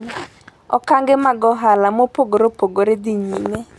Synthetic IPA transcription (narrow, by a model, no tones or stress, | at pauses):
ɔ̰kaŋɡɪmaɡɔɦalamopoɡoɾopoɡoɾediɲine